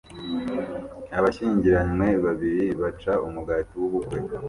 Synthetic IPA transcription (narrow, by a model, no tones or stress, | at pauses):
aβaʃiːɲɟiɾamŋwe̞βaβiɾiβat͡ʃaʔumuɡatiwuβuɡwe